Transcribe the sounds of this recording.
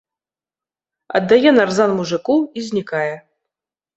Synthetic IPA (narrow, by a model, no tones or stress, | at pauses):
ɐ̰d̪ːajɛnarzanmuʐɨkuwizʲnʲikajɛ